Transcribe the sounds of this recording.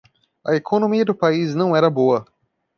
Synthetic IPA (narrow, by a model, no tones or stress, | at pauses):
ɐekʰonõmiɐd̪ʊpaiznɐ̃w̃ɛɾɐboɐ